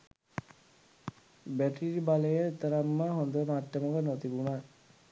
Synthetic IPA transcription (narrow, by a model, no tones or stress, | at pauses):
bæʈiɾibaləjət̪əɾamːəɦond̪əmaʈːəməʋənot̪ibuna